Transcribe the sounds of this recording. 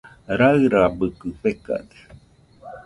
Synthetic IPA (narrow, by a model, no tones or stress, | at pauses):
ɾaɾabɯkɨɸeka̰d̪e̥